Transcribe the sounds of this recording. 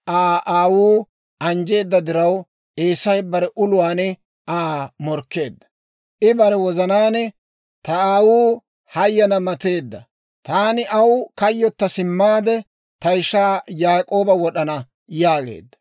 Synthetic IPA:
ʔaːʔaːwuː | ʔɐnd͡ʒe̞ːd̪ːɐd̪ɪɾɐw | ʔeːsɐjbɐɾɛʔʊlʊwaːnɛ | ʔaːmɔɾkːe̞̰ːd̪ːɐ̥ | ʔɪbɐɾɛwɔzɐnaːnɛ | t̪ɐaːwuː | hɐjːɐnɐmɐt̪eːd̪ːɐ | t̪aːnɪʔɐwkɐjːɔt̪ːɐsɪmːaːd̪ɛ | t̪ɐjɪʃːaːjaːkʼo̞ːbɐwɔɗɐnɐ | jaːɡḛːd̪ːɐ̥

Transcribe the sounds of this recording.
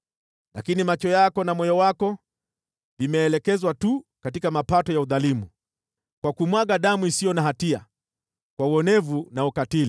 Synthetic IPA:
la̰kinimat͡ʃɔjakɔnamɔjɔwakɔ | vimɛːlɛkɛzwatukatikamapatɔjauðalimu | kwakumwaɠaɗamuisijɔnaɦatia̰ | kwauɔnɛvunaukatili

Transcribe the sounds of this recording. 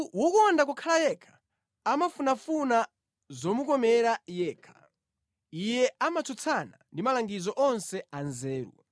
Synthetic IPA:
wɔkɔndak̬ukʰalajɛkʰḁ | amafunafuna | zɔmukɔmɛɾajɛːkʰḁ | ijɛamat͡sʰut͡sʰana̰ndimalaŋɡizɔʔɔnsɛanzɛːɾṵ

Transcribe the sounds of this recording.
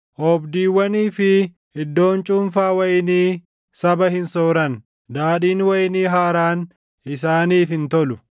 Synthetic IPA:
ʔɔbd̪iːwːɐniːfɪ | ɪd̪ːo̞ːnt͡ʃʼʊmfaːwɐjɪniː | sɐbɐhɪnsoːɾɐn | d̪aːᶑiːnwɐjniːɦaːɾaːn | ɪs̬aːniːfɪnt̪ɔlʊ

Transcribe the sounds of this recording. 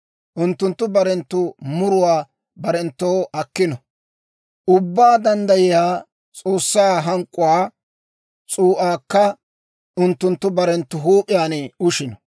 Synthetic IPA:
ʔʊnt̪ːʊnt̪ːʊbɐɾɛnt̪ːʊmʊɾʊwaː | bɐɾɛnt̪ːoːʔɐkːɪnɔ | ʔʊbːaːd̪ɐnd̪ɐjɪjaː | t͡sʼoːsːaːɦɐŋkʼːʊwaː | t͡sʼuːʔaːkːɐ | ʔʊnt̪ːʊnt̪ːʊbɐɾɛnt̪ːʊɦuːpʼɪjaːnɛʊʃɪnɔ

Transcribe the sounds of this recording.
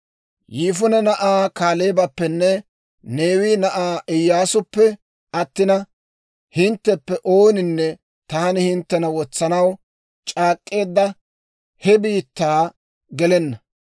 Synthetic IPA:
jiːfʊnɛnɐʔaːkaːleːbɐpːɛnːɛ | ne̞ːwiːnɐʔaːʔɪjːaːsʊpːɛ | ɐt̪ːɪnɐ | hɪnt̪ːɛpːɛʔo̞ːnɪnːɛ | t̪aːnɪhɪnt̪ːɛnɐwɔt͡sːɐnɐw | t͡ʃʼaːkʼːe̞ːd̪ːɐ | hɛbiːt̪ːaː | ɡɛlɛnːɐ

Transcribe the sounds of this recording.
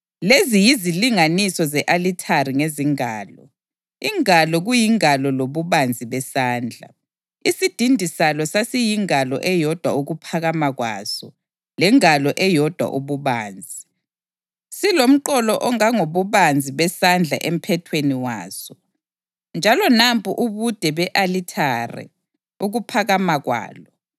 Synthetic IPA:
lezijiziliŋanisɔzɛʔalitʰariŋeziŋaːlɔ̰ | iŋalɔɣujiŋalɔloβuβand͡zʱiβɛsaːnd͡ɮʱa̰ | isid̥ʱindʱisalɔsasijiŋalɔ̰ʔɛjɔd̥ʱwauɣupʰaɣamaɣwa̰ːsɔ | lɛŋalɔʔɛjɔd̥ʱwa̰ʔuβuβaːnd͡zʱi | silom̩ǃɔlɔʔɔŋaŋoβuβand͡zʱiβɛsand͡ɮʱa̰ʔem̩pʰɛtʰweniwaːsɔ | nd͡ʒʱalɔnampʰʼṵʔuβud̥ʱɛβɛʔalitʰarɛ̰ | uɣupʰaɣamaɣwa̰ːlɔ

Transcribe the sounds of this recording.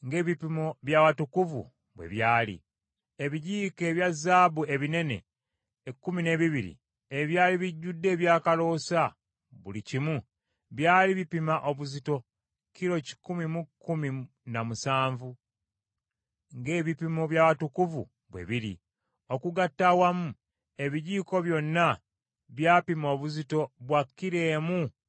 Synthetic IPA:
ŋɡe̞ːβipimoβjaːwatukuvṵ | βwe̞̰βjaːlḭ | eβiɟiːke̞ːβjazːaːbue̞βine̞ne̞̰ː | kːumine̞ːβiβiɾḭ | eβjaːliβiɟːudːe̞ːβjaːkalo̞ːsa | βṵlicimu | βjaːliβipimaʔo̞βuzito̞ | kiɾo̞ci̥kumimukːumi | namusaːɱvu | ŋɡe̞ːβipimoβjaβatukuvṵ | βwe̞̰βiɾḭ | o̞kuɡatːawamu | e̞βiɟiːko̞βjo̞nːa | βjaːpimo̞ːβuzito̞βwakːiɾe̞ːmu

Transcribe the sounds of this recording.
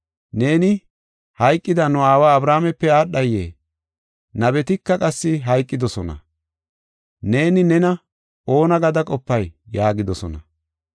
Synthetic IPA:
ne̞ːnɪ | hɐjkʼːɪd̪ɐnʊaːwaːbɾaːmɛpːɛaːɗɐjːḛː | nɐbɛt̪ɪkːɐkʼɐsːɪɦɐjkʼːɪd̪ɔsɔnɐ̰ | ne̞ːnɪnɛnɐ | o̞ːnɐɡɐd̪ɐkʼɔpːɐjːaːɡɪd̪ɔsɔnɐ̰

